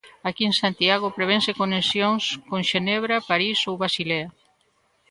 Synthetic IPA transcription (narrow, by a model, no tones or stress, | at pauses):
akiensant̪iaɣ̞opɾeβ̞ensekonesjoŋskoŋʃeneβ̞ɾapaɾisowβɾasilea